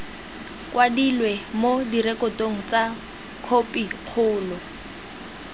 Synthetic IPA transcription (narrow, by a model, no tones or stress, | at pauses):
kwadilwemodirɛkɔtoŋ̩t͡sa | kʰopiq͡χʰʊːlɔ